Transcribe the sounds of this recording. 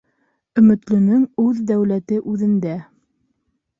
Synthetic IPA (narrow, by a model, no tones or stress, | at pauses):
ɵ̆mɘ̆t̪lɵ̆nɵŋʉðd̪æwlæt̪ɘʔʉðɘ̆nd̪æ